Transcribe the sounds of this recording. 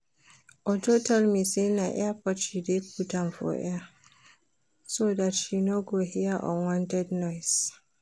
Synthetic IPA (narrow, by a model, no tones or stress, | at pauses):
ʔɔd͡ʒotalmisinaːʔapɔtʃidek̚utanfɔ̰ːʔɛ̰a | soːdatʃinoɡoːɦɪjaʔɔ̰nwɔntɛdnɔjs